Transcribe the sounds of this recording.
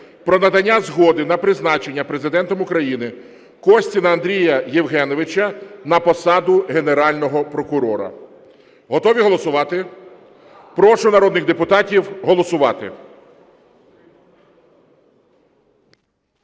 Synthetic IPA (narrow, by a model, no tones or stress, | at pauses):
pɾɔnɐd̪ɐnʲːazɦɔd̪ɪnɐpɾɪznɑt͡ʃe̞nʲːɐpɾe̞zɪd̪ɛnt̪ɔmʊkɾɐjinɪ | kɔsʲtʲinɐɐnd̪ɾʲijɐjiwɦɛnɔʋɪt͡ʃɐnɐpɔsɑd̪ʊɦeneɾɑlʲnɔɦɔpɾɔkʊɾɔɾɐ̰ | ɦɔt̪ɔʋʲiɦɔlˠɔsʊʋɑt̪ɪ | pɾɔʃʊnɐɾɔd̪nɪɣd̪epʊt̪ɑtʲiwɦɔlˠɔsʊʋɑ̰t̪ɪ̰